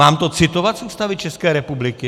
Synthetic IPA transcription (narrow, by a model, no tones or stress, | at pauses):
aːmt̪ot͡sɪt̪ovat̪suːst̪avɪt͡ʃɛskɛːɾɛpublɪkɪ